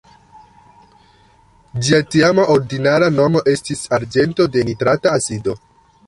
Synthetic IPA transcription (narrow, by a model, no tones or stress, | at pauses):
d͡ʒiatiamaʔo̞ɾdinaɾano̞mo̞ʔe̞stisaɾd͡ʒe̞nto̞de̞nitɾataːsido̞